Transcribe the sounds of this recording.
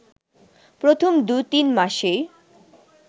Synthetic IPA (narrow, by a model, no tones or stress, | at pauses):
pɾot̪ʰomd̪ujt̪inmaʃej